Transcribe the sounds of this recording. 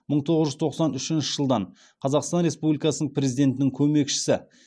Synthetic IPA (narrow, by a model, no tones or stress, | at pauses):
məɴt̪ʰo̞ʁəzʒʏzt̪ʰo̞qsɑnʏʃɪnʃɪ̥ʒəlˠd̪ɑɴ | qʰɑzɑqst̪ɑnɾe̞spublijkɑsənəɴpʰɾʲe̞zijd̪e̞nt̪ɪnɪŋkʲʰɵme̞kʃɪ̥sɪ